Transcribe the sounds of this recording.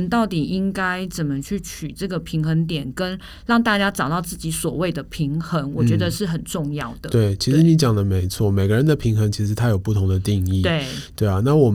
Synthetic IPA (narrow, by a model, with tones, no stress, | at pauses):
nt̪ɑ˥˩ʊt̪i˨˩ʔi˦ŋka˦˥ɪt͡sə˨˩nmə˨t͡ɕʰy˥˩t͡ɕʰy˨˩ʈ͡ʂɤ˥˩ɡə˩pʰi˧˥ŋxə˧˥ŋt̪̬jɛ˨˩nkə˦˥n | lɑ˥˧ŋt̪a˥˩t͡ɕja˥ʈ͡ʂɑ˨˩ʊt̪ɑ˥˧ʊt͡sɹ̩˥˩t͡ɕi˧˥swɔ˨˩we˥˩ɪd̪ə˩pʰi˧˥ŋxə˧˥ŋwɔ˨˩t͡ɕɥɛ˧˥d̪ə˧ʂɻ̩˥˩xə˨˩nʈ͡ʂʊ˥˧ŋjɑ˥˩ʊd̪ə˩t̪we˥˩ɪt͡ɕʰi˧˥ʂɻ̩˧˥ni˧˥t͡ɕjɑ˨˩ŋd̪ə˦me˧˥ɪt͡sʰwɔ˥˩me˨ɪɡə˦ɻə˧˦nd̪ə˧˨pʰi˧˥ŋxə˧˥ŋt͡ɕʰi˧˥ʂɻ̩˧˥t̪ʰa˥ɪjpu˥˩t̪ʰʊ˧˥ŋd̪ə˧t̪i˥˧ŋi˥˨t̪we˥˩ɪt̪we˥˩ɪɐ˩na˥˩wɔ˨˩